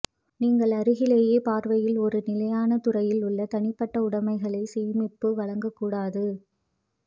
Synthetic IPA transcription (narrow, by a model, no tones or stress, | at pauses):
niːŋɡɐɭɐɾɯɣɪleːjeːpaːɾʋɐjɪlɔɾɯnɪlɐjaːnɐt̪ʊrɐjɪlʊɭːɐt̪ɐɳɪpːɐʈːɐʊɽɐmɐɪɣɐɭɐɪseːmɪpːɯʋɐɻɐŋɡɐkːuːɽaːðɯ